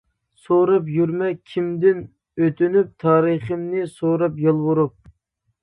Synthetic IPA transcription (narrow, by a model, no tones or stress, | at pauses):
soɾɑpjyɾmɛkʲʰimd̪ɪn | øt̪ynyp̚t̪ʰɑːɾɨχɨmnɪsoɾɑpjɑlˠwuɾup̚